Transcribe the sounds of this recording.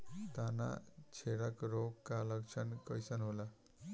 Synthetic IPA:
t̪ana̰t͡ɕʰeɽakɾokːaləkʂənkəjsənɦola

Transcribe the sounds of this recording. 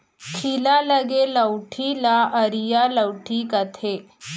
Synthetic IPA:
kʰilaləɡeləwʈʰilaəɾijaləwʈʰiːkət̪ʰe

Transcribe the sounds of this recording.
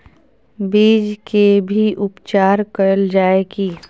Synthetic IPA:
biːd͡ʒkebʱiʔʊpt͡ʃaːɾkəɾəld͡ʒaːekiː

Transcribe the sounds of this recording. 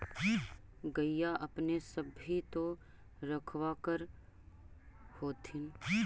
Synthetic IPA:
ɡɐijaʔɐpnesɐbʱit̪o | ɾɐkʰwakəɾ | hoːt̪ʰɪn

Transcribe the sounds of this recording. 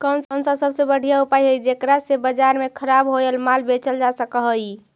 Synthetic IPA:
kənsənsəsəbsẽbəɽ̤ijaupajɦəjd͡ʒekɾasebəd͡ʒaɾmekʰəɾabɦoelmalbet͡ʃəld͡ʒasəkəɦəj

